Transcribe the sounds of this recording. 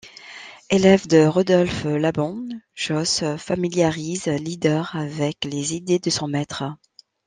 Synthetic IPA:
elɛvd̪əʁɔd̪ɔlflabɔ̃ʒ̥ɔsfamiljaʁizlid̪œʁavɛklezid̪ed̪əsɔ̃mɛt̪χə

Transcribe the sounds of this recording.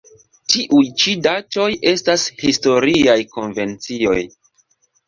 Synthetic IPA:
tiʔujt͡ʃidat͡ʃo̞jʔe̞stashisto̞ɾiajko̞nve̞nt͡sio̞j

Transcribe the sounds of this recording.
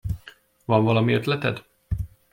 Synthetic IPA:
vɒɱvɒlɒmiøt̪lɛt̪ɛ̰d̪

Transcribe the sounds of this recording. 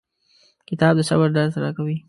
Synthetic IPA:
kɪt̪ɑːb̚d̪əsa̰baɾd̪ɑɾt̪ɾɑkawi

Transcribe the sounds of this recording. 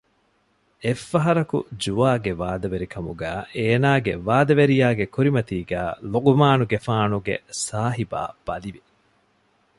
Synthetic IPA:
efːɐɦɐɾɐkṵd͡ʒuaːɡeʋaːd̪ɐʋeɾikʰɐmuɡæːʔeːnaːɡeʋaːd̪ɐʋeɾijaːɡekuɾimɐt̪iːɡæːloɡumaːnuɡefaːnuɡḛsaːɦiba̰ːb̥ɐliʋi

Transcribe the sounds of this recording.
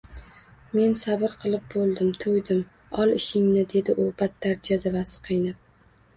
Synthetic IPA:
me̞nsabɪɾqʰɨlˠɪp̚bolˠd̪ɪmt̪ʰojd̪ɪm | ɒlˠɪʃɪŋnɪd̪e̞d̪ɪʔʊb̥at̪ʰːaɾd͡ʒazavasɨ̥qʰɨjnɪp̚

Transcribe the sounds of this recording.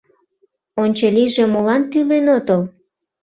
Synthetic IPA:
onʲt͡ɕeliʒe̽molɑnt̪ylenot̪əl

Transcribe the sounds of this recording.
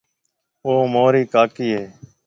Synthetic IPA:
oːmoːɾiːkaːkiːɦeː

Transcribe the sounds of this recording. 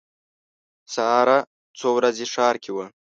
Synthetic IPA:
saːɾa | t͡sowɾazeʂɑːɾkʲʰewə

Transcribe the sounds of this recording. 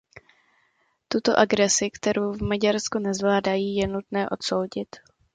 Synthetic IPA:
t̪ut̪o̞ʔaɡɾɛsɪkt̪ɛɾowvmaɟaɾskunɛzvlaːdajiːjɛnut̪nɛːʔo̞t̪so̞wɟɪt̪

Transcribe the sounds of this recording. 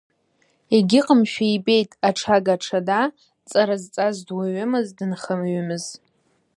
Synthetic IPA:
eɡʲɪqʼəmʃᶣaibe̞jtʼaʈ͡ʂʰaɡaʈ͡ʂʰada | t͡sʼaɾazt͡sʼazdwaɥʊmɨzdɨnχəmɥʏmɨz

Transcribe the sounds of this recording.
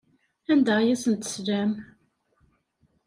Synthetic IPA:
ænd̪æjæsənt̪ə̥slæm

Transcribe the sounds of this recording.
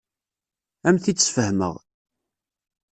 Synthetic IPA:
æmθit͡sːfəhmə̰ʁ

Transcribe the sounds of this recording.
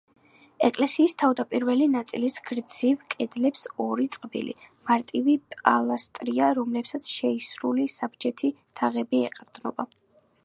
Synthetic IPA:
ɛkʼlɛsiːst̪ʰavd̪apʼiɾvɛlinat̪sʼilisɡɾd̪z̥ivkʼɛd̪lɛpsɔɾit̪sʼqʼbḭlḭmaɾt̪ʼivipʼalˠast̪ʼɾiaɾɔmlɛpsat̪sʰʃɛisɾulisabd͡ʒɛt̪ʰit̪ʰaʁɛbiɛqʼɾd̪nɔ̰ba

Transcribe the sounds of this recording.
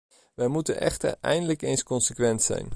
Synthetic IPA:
ʋɛjmutənʔɛ̰χtə̰rɛ̰jndələkejnskɔnsəkʋɛntsɛ̰jn

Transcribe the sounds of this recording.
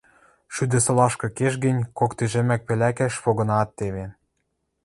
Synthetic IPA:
ʃyd̪ɘ̆sɤ̆lɑʃkɤ̆keʃɡɘ̆nʲkokt̪eʒĕmæk̚pĕlækæʃβoɣɤ̆nɑt̪ːeβe

